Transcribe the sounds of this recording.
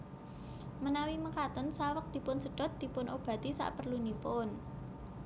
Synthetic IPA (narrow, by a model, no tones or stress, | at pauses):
mənawiməkat̪ənsawək̚d̪̥i̤pʊnsəɖ̥ɔ̤t̪̚d̪̥i̤pʊnʔob̥ä̤t̪isa̰ʔpərlunipʊn